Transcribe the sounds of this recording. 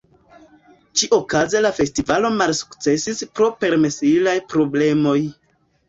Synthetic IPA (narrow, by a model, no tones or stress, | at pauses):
t͡ʃiʔo̞kazelafe̞stivalo̞malsu̥kt͡se̞sispɾo̞pe̞ɾmesilajpɾo̞ble̞mo̞j